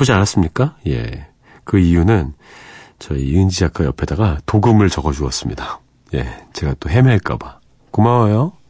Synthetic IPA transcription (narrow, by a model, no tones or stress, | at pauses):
pod͡ʑianas͈ɯmɲik͈aje̞̰ | kɯijunɯn | t͡ɕʌiɯnd͡ʑiak͈ʰajʌpʰe̞daɡatoɡɯmɯɭt͡ɕʌɡʌd͡ʑuʌs͈ɯmɲida | je̞̰t͡ɕe̞ɡat͈oɦemeaɭk͈a̰ba | komajo